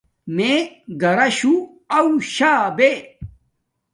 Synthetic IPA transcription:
meɡɐɾɐɕu | ɐuɕaːbe

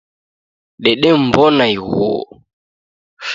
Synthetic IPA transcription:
ɗɛɗɛm̩bɔnaiɣɔ̰ | f

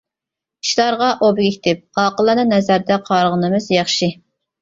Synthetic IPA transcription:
ʃlˠɑɾʁɑʔobɪɡʲikʰʲi̥t̪ʰɪp̚qɑqəlˠɑnɨnɛzæɾd̪ɛqʰɑɾəʁənɨmɨzjɑχʃi

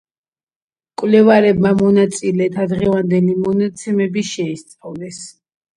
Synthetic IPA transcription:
kʼwlɛvaɾɛbmamɔnat̪sʼilɛt̪ʰad̪ʁɛvand̪ɛlimɔnat̪sʰɛmɛbiʃɛist̪sʼavlɛs

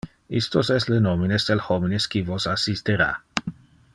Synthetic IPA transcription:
ist̪osɛst̪lenominesd̪elhomineskivosasist̪eɾa̰

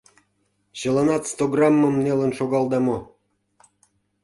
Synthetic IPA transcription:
ɕə̆lɑnɑt̪st̪oɡrɑmːəmnelə̆nʃoɣɑlˠd̪ɑmo

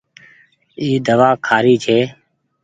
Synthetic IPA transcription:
iːd̪əʋaːkʰaːɾiːt͡ʃʰeː

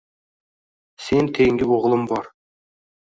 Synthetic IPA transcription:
sent̪ʰeŋɡʲɪwoʁəlˠəmbɑɾ

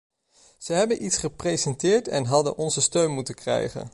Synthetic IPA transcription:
z̥əɦɛbənʔitsχəprejzɛntɪːɹtɛ̰nɦɑdə̰nʔɔnzəstøɥnmutənkrɛ̰jχə̰n

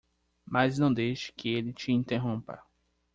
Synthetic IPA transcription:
maznɐ̃w̃d̪ejʃɪ̥kɪelɪt͡ʃɪĩnt̪eɦõmpɐ̰

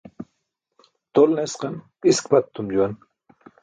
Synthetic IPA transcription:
t̪olnesqɑn | iskpat̪ːumd͡ʑuan

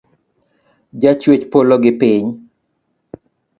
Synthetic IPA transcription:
d͡ʒat͡ʃwet͡ʃpoloɡɪpɪɲ

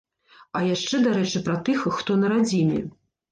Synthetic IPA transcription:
ɐjaʂt͡ʂɛd̪aɾɛt͡ʂɨpɾɐt̪ɨxːt̪ɔnɐɾad͡zʲinʲɛ̰

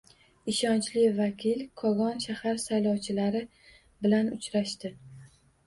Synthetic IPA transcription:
ɪʃɒnt͡ʃlɪvakʲʰɪlkʰɒɣɒnʃahaɾsajlˠɒwt͡ʃʰɪlaɾɪ | bɪlanʊt͡ʃʰɾaʃt̪ɪ

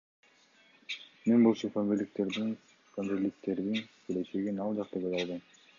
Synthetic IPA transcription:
menbolˠt͡ʃofonbelʲik̚t̪e̞ɾd̪in | fonɾelːik̚t̪e̞ɾd̪inkʲʰele̞t͡ʃe̞ɡinɑlˠd͡ʒɑqt̪ɑbed̪ɑlˠd̪ɯm

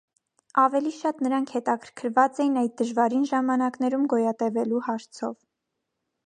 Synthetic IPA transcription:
ɑvɛliʃɑt̪nəɾɑŋkʰhɛt̪ɑkʰəɾkʰəɾvɑt͡sɛjinɑjd̪̚d̪əʒvɑɾinʒɑmɑnɑkn̪ɛɾumɡɔjɑt̪ɛvɛluhɑɾt͡sʰɔ̰v

